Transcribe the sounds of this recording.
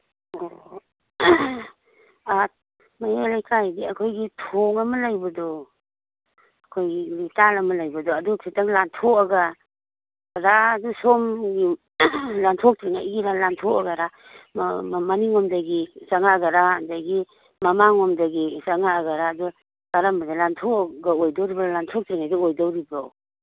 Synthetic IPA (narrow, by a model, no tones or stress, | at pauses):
ɔ | at̚ | majalajkʰajɡiakʰojɡitʰɔŋamalajbadɔ | akʰojɡitalamalajbadɔadukʰitaŋlantʰɔkaɡa | ɾaːdusɔmɡi | lantʰɔk̚tʰɾiŋa̰jiɾalantʰɔaɡaɾa | mmaniŋɔmdaɡisaŋaɡaɾadaɡi | mamaŋɔmdaɡisaŋaɡaɾaːdɔ | kaɾambadalantʰɔɡaojdawɾibalantʰɔk̚tʰɾiŋajdɔɔjdawɾibaw